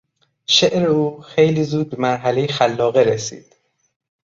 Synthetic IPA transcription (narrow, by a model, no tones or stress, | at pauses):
ʃeʔɾe̞uːxejliːzuːd̪̚be̞mæɾɦæle̞jexælːɒːɣeɾesḭːd̪̥